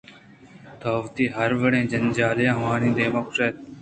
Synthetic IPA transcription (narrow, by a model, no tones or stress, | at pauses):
t̪ʰoːʋt̪iːɦəɾʋəɽẽːd͡ʒənd͡ʒaːljãːɦʋaːnĩːd̪eːmokʂeːt̪